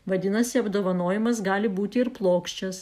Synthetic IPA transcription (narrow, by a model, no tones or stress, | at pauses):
ʋɐd̪ʲɪnɐsʲɪɐbd̪oːʋɐnoːjɪmɐsɡɑːlʲɪbuːt̪ʲɪɪɾplˠoːkʃʲt͡ʃʲɛs